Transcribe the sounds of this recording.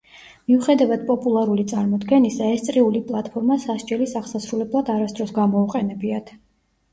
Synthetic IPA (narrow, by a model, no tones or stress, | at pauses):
miuχɛd̪avad̪̚pʼɔpʼulˠaɾulit̪sʼaɾmɔd̪ɡɛnisaɛst̪sʼɾiulipʼlˠat̪ʰpʰɔɾmasaʃd͡ʒɛlisaʁsasɾulɛblˠad̪aɾasd̪ɾɔsɡamɔuqʼɛnɛbiat̪ʰ